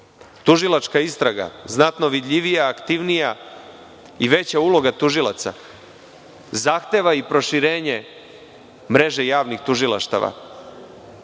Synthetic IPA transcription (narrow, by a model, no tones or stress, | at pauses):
t̪uʒilˠat͡ʃkaist̪ɾaɡa̰znat̪no̞ʋid̪ʎiʋijaːkt̪iʋnija | iʋe̞t͡ɕaulˠo̞ɡat̪uʒilˠa̰t̪sa̰ | zaːxt̪e̞ʋaipɾo̞ʃiɾeːɲe | mɾe̞ʒejaːʋnixt̪uʒilˠa̰ʃt̪a̰ʋa̰